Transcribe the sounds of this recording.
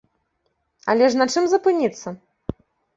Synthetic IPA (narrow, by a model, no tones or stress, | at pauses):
ɐlʲɛʂnɐt͡ʂɨmzɐpɨnʲit̪sːɐ